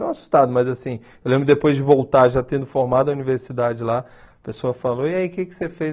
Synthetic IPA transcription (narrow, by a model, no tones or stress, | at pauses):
ɐ̃w̃asu̥st̪ad̪ʊmɐzasĩ | ewlẽmbɾʊd̪epojzd͡ʒɪvowt̪aɾʒat̪ẽd̪ʊfoɾmad̪ʊɐuniveɾsid̪ad͡ʒɪla | ɐpesoɐfaloiaikɪkɪ̥sefe